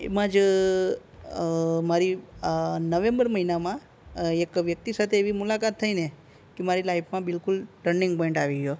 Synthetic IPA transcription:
ḛmãd͡ʒ | maɾi | nəʋẽmbəɾməɦinamã | ekʋjək̚t̪isat̪ʰeːʋimulakat̪ʰːəine | kemaɾilajfʰmãbɪlkʊlʈəɾnĩŋɡpɔiɳʈaʋiɡjo

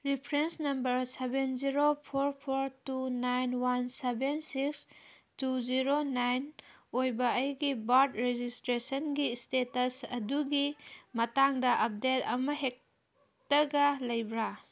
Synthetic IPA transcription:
ɾipʰɾensnɐmbɐɾsebenziɾopʰoɾpʰoɾtunajnwansebensiks | tuziɾonajnojbɐːjɡibaɾtɾed͡ʒistɾesɐnɡistetɐsɐduɡimɐtaŋdɐʔɐp̚detɐmɐɦek̚ | tɐɡɐlɐjbɾa

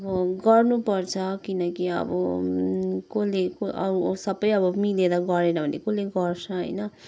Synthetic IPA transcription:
ʌbʌɡʌrnupʌrt͡sʰʌkinʌkiʌ̰bʌ̰ | kolekoʔʌ̰usʌbʌjʌbʌmiled̪aɡʌɾenʌbʱʌnlḛkoleɡʌrt͡sʰʌɦʌ̰jnʌ

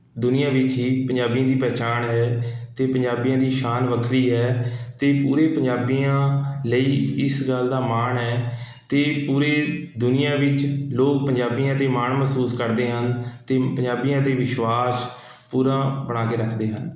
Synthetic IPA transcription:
d̪ʊnɪjãːʋɪt͡ʃɦiːpəɲd͡ʒaːbijãːd̪iːpɛːt͡ʃaːɳɦɛːt̪eːpəɲd͡ʒaːbijãːd̪iːʃaːnʋəkʰɾiːɦɛːt̪eːpuːɾeːpəɲd͡ʒaːbijãːləiːɪsɡəld̪aːmaːɳɦɛː | t̪eːpuːɾeːd̪ʊnɪjãːʋɪt͡ʃloːk̚pəɲd͡ʒaːbijãːt̪eːmaːɳməsuːskəɾd̪eːɦənt̪eːpə̃ɲd͡ʒaːbijãːt̪eːʋɪʃʋaːs | puːɾãːbəɽ̃aːkeːɾəkʰd̪eːɦən

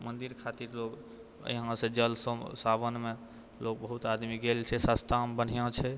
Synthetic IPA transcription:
mənd̪iɾkʰat̪iɾloɡ | ə̰ɦãsẽd͡ʒəlsəsabənme | lok̚bəɦut̪ad̪miɡelt͡ʃʰɛsəst̪ambən̤ijãt͡ʃʰɛ

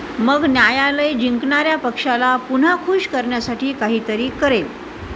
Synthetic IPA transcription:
məɡnjajaləjd͡ʑiŋkɳaɾjapəkʂalapun̤akʰuɕkəɾɳjasaʈʰiːkaɦiːt̪əɾiːkəɾel

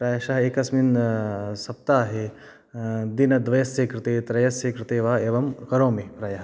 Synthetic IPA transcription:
pɾɐːjɐʃɐɦɐeːkɐsminsɐp̚t̪aːɦe | d̪inɐd̪ʋɐjɐsjeːkɾɪt̪eːt̪ɾɐjɐseːkɾɪt̪eːʋaːeːʋɐmkɐɾoːmepɾɐjɐɦ

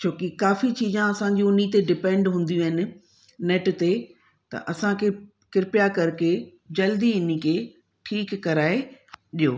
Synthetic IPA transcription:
t͡ɕʰoːkikaːfit͡ɕiːzãɐsãɲd͡ʑũʊn̤it̪eɖɪpɛ̃ːɳɖɦũːnd̪ijũɦɪnɪ̆ | neːʈt̪e | t̪ɐ̰ʔɐsãkʰe | kɪɾɪpjakɐɾke | d͡ʑɐld̪iɪnĩkʰe | ʈʰiːkːɐɾaːeɗijoː

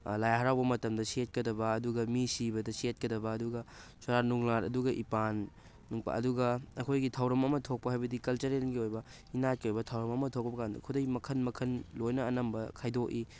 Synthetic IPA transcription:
lajaɦɐɾawbɐmɐtɐmdɐsiet̚kɐdɐbɐːduɡɐmisibɐdɐsiet̚kɐdɐbɐːduɡɐsoɾanuŋlaɾɐ̰duɡɐʔipanː | uŋpɐ̰ɐ̰duɡɐɐkʰojɡitʰɐwɾɐmɐmɐtʰok̚pɐɦajbɐdikɐlt͡ʃɐɾelɡiojbɐ | inat̚kiojbɐtʰɐwɾɐmɐmɐtʰok̚pɐbɐkandɐ̰kʰudɐjmɐkʰɐnmɐkʰɐnlojnɐːnɐmbɐkʰajdoki

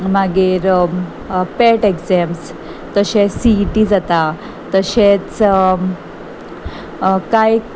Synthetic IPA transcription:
maɡiɾ | peʈekd͡zɛms | t̪əɕesiɖiːd͡zat̪a | t̪əɕet͡s | kaj

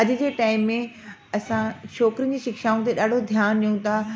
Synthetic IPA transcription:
ɐd͡ʑɪ̆d͡ʑeːʈaːɪmːẽ | ɐsãʃɔːkɾiən̆d͡ʑiːʃɪkʃaːũt̪eɗaːɖʱod̪ʱjaːnɗiũt̪ʰa

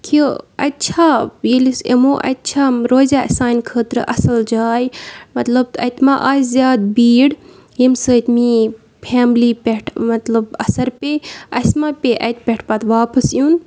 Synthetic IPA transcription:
kʰiɐt̪̚t͡ʃʰajilisḛmoʔɐ̰t̪̚t͡ʃʰaːmɾoːza̰ːsaːnʲkʰəːt̪ɾɨʔɐsɐld͡ʒaːjmɐt̪lɐb̚t̪ɐt̪ʲmaʔaːszjaːd̪̚biːɽ | jemsəːt̪ʲmi | pʰaːmlipʲeʈʰmɐt̪lɐbɐsɐɾpʲeɐsmapʲeʔɐ̰t̪̚ʲpʲeʈʰpɐt̪ʋaːpɐsjun

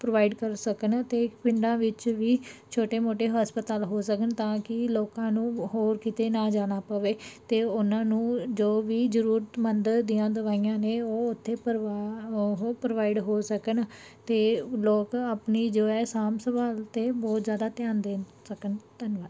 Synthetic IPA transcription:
pɾoːʋaːɪɖkəɾsəkənt̪eːpɪɳɖãːʋɪt͡ʃʋiːt͡ʃʰoːʈeːmoːʈeːɦaːspət̪aːlɦoːsəkənt̪ãːkɪloːkãːnũːɦoːɾkɪt̪eːnãːd͡ʒaːɽ̃aːpəʋeːt̪eːʊnãːnũːd͡ʒoːʋiːzəɾuːɾət̪mənd̪əɾd̪ijãːd̪əʋaːiːãːneːoːʊt̪ʰːeː | ɦoːpɾoːʋaːɪɖɦoːsəkən | t̪eːloːkaːpniːd͡ʒoːɛːsaːmsəʋaːlt̪eːbɔːt̪zjaːd̪aːt̪ɪjaːnd̪eːnsəkənt̪ənʋaːl

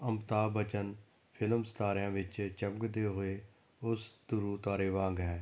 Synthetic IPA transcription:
əmt̪aːbət͡ʃən | pʰɪlmst̪aːɾjãːʋɪt͡ʃt͡ʃəmɡd̪eːɦoːeː | ʊsd̪ʊɾuːt̪aːɾeːʋãːŋɡɦɛː

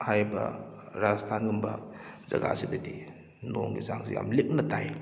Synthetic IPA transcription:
hajbɐ̰ɾaztʰanumbɐzɐɡa̰sidɐdi | noŋɡizaŋsija̰mlik̚nɐtaj

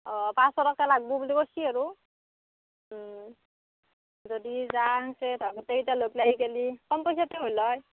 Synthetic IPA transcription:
ɔpãsɔɾɔkːalaɡ̚bɔbulikɔsiaɹu | zɔdizaŋsedɔkɔteitaloklaɡikelikɔnpɔjsateɦojlɔj

